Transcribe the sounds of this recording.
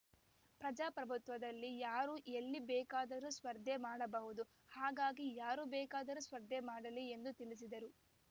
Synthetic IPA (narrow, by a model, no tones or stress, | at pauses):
pɾɐd͡ʒaːpɾɐbʱut̪ʋɐd̪ɐlːijaːɾuʔelːibɛːkaːd̪ɐɾusʋɐɾd̪ʱemaːɽɐbɐɦud̪u | haːɡaːɡijaːɾubɛːkaːd̪ɐɾusʋɐɾd̪ʱemaːɽɐliend̪ut̪ilis̬id̪ɐɾu